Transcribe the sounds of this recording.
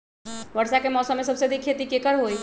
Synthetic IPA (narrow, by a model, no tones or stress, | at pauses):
ʋəɽsakemɔːsəmːẽsɐbsed̪ikʰːet̪ikekəɾɦoːi